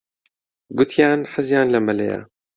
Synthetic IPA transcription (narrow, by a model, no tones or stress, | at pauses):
ɡʊt̪ʰjaːnħəzjaːnlɐmɐlḛja̰